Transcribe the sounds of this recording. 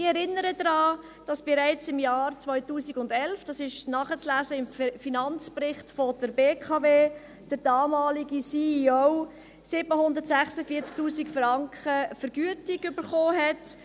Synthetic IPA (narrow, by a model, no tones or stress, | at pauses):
ɪɛɾɪnːəɾəd̪ɾɑː | d̥ɑsb̥ɪɾaɪt͡sɪmjɑːɾt͡svɔʏtuːsiɡʊndɛlfd̥ɑsɪʃnɑːχət͡slæːzəɪmfinɑnt͡sprɪχtfɔd̥əɾbeːkʰɑveː | d̥əɾd̥ɑːmɑːliɡisiːioʊ | sɪbəhʊndəɾtsæχsəfiːɾt͡sk̚tuːsikfrɑŋkχəfəɾɡ̥yətɪɡʏbəɾχoːɦɛt